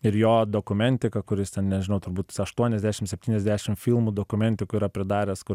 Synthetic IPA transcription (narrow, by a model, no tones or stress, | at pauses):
ɪɾjoːd̪oːkʊmʲɛnʲt̪ʲɪkɐkʊɾʲɪst̪ʲɛnnʲɛʒʲɪnɐʊt̪ʊɾbuːt̪sɐʃt̪uɔnʲɛzʲd̪ʲæːʃʲɪmsʲɛpʲt̪ʲiːnʲɛzʲd̪ʲæːʃʲɪmfʲilˠmuːd̪oːkʊmʲɛnʲt̪ʲɪkʊiːɾɐpʲɾʲɪd̪ɑːɾʲɛskʊ